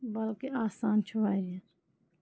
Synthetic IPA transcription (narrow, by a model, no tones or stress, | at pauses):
bəlkeaːsaːnt͡ʃʰuʋaːe